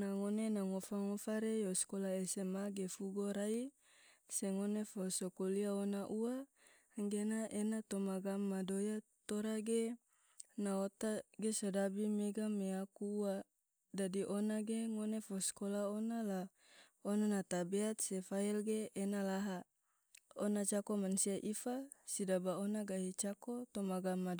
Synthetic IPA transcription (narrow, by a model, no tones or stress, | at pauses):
naŋonenaŋofaŋofaɾejoskolaesemaɡefuɡoɾai | seŋonefosokoliaonaʔua | ŋɡenaʔenat̪omaɡamːadojat̪oɾaɡe | naot̪aɡesodabimeɡameakuːa | dadiʔonaɡeŋonefoskolaonala | onanat̪abeat̪̚sefailɡeːnalaɦa | onat͡ʃakomansiaʔifasidabaonaɡaɦit͡ʃakot̪omaɡamːad